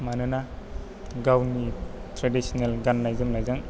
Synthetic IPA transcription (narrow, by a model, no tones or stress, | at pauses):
manɯna | ɡawnitɾadisɔnelɡanːajzɯŋlajzaŋ